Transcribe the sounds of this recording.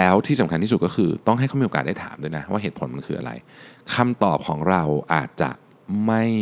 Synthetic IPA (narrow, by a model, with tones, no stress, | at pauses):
lɛː˦˥wt̪ʰiː˥˩sa˩˦kʰa˧t̪ʰiː˥˩u˨˩t̪̚kɔ˥˩xʰɯː˧t̪ɔ˥˩ŋɦa˥˩jkʰa˦˥miː˧˨o˨kaː˨˩t̚da˥˩tʰaː˩˦md̪u˥˩jna˦˥wa̰ː˥˩ɦeː˨˩t̪̚pʰo˩˦ma˧nkʰɯ̰ː˧ʔa̰˧ɾa̰˧jkʰa˧mt̪ɔː˨˩p̚kʰɔː˩˦ŋɾa˧wʔa̰ː˨˩t̪̚t͡ɕa̰˨˩ʔ | ma˥˩j